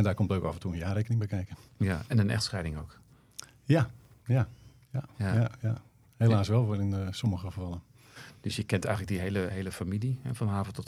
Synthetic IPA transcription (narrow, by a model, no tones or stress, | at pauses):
ɛndaːkɔmtløɥka̰fən̩tuəənjaːrejkənɪŋbɛəkɛjkəɛnənɛ̰xtsxɛjdɪŋowk | ja | ja | jajaja | helaːsʋɛlˠʋoɪnsoməɣəfərfɑlˠən | d̥øsjəkɛntɛ̰jɣŋ̩lək̚diɦejləɦeːləfamilihɛ̰fɔnɦaːvətɔt